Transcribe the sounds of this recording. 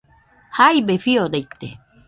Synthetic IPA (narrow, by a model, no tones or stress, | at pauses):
hajbefiod̪ejt̪ḛ